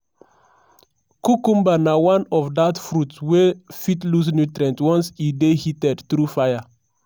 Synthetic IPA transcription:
kukũmbanawãnɔfdatfɾutwefitlus̬nutɹɛ̃ntwɔ̃nsidehitɛdtɾufajə

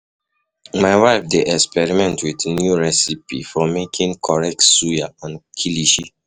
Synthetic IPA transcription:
maɪwaɪfdeʔɛkspɛɹimɛ̃ntwidnjuɹɛsipifɔmekʰĩnkʰɔɹɛk̚tsujaãnkʰiliʃi

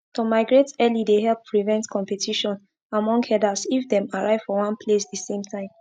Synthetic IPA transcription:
tomaɪɡɹetɛlideɦɛlppʰɹivɛ̃ntkʰɔ̃mpɛtʰiʃɔ̃n | amɔ̃ŋɡhɛdasifdɛ̃maɹaɪv̥fɔwãnpʰlesdəsẽmtʰãɪ̃m

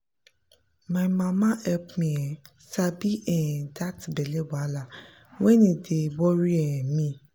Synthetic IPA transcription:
mãmãmãɛpmĩɛ̃ | sabiʔɛɛ̃datibɛlɛwala | wɛ̃nĩdewɔɾiɛjɛ̃mĩ

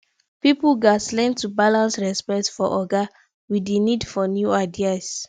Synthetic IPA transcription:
pipulɡaslɛ̃ntubalãnsɹɛspɛktfɔʔɔɡa | widenidfɔnjuaɪdias

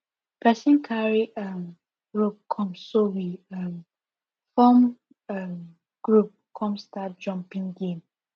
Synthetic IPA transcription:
pʰɛsĩnkʰaɹiam | ɡɹup̚kʰɔ̃msːowiam | fɔm | am | ɡ̥ɹup̚kʰɔ̃mstat̚d͡ʒɔ̃mpĩŋɡẽm

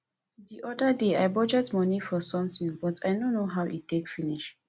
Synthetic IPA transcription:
diʔɔdədeaɪbɔd͡ʒətmɔnifɔsɔ̃mtĩŋbɔtʰajnonːoɦawʔittekfiniʃ

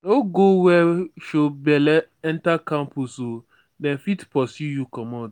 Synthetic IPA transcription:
oɡowɛʃobɛlɛɛ̃ntakãmpuso | dɛ̃nfitpʰɔsjujukɔmɔd

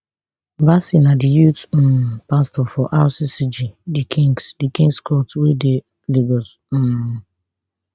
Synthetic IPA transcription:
basinadijut̩ːpastɔfɔʔasisid͡ʒidikʰĩŋsdikĩŋɡskɔtwede | liɡɔs̩

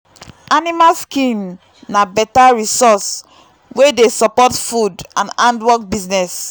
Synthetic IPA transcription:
animalskĩm | nabɛtaɹisɔs | wedesɔpɔtfudãnãndwɔk̚biznɛs

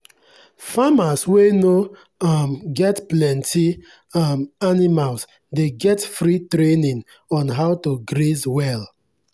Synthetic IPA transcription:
famasweno | mɡɛtplɛ̃ntʰi | manimals | deɡɛtfɾitɾenĩŋ | ɔ̃nɦaʊtoɡɾezwɛl

